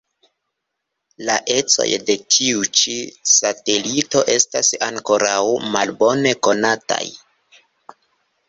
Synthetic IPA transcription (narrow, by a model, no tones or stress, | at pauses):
laʔe̞t͡so̞̰jde̞tʰiut͡ʃisate̞lito̞ʔe̞stasaŋko̞ɾawmalbo̞ne̞ko̞nata̰j